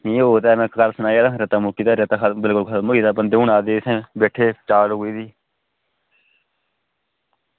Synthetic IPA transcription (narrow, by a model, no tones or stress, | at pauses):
nĩːoːt̪ɛːnãkkəɾsənaːaːd̪aɾet̪aːmʊkiːt̪aːɾet̪aːk̪ʰbɪlkʊlkʰmʊiːt̪aːbənd̪eːʊɳaːd̪eːsẽbeːʈʰːeːt͡ʃaːloːiːd̪iː